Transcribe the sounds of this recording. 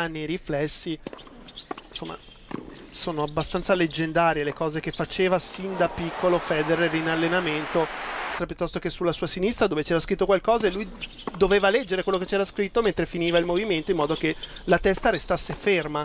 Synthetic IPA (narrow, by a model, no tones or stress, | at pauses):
anːieɾiflɛsːi | somːa̰ | soːnoabːast̪ant̪saled͡ʒːend̪aːɾjelekɔːzek̟efːat͡ʃeːvasind̪apikʰːolofɛːd̪eɾeɾinalːenament̪ot̪ɾapjut̪ːɔst̪okesulːasuːasinist̪ɾad̪oːvet͡ʃɛːɾaskɾit̪ːokwalkɔːzaelːuj | d̪oveːvalɛd͡ʒːeɾekwelːoket͡ʃɛːɾaskɾit̪ːoment̪ɾefiniːvailmoviment̪oimɔːd̪okelat̪ɛst̪aɾest̪asːeferma